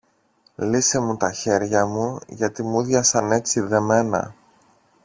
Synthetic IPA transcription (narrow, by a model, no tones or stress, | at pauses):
lise̞mut̪ɐçe̞ɾʝɐmuʝɐt̪imuðʝɐsɐne̞t͡siðe̞me̞nɐ̰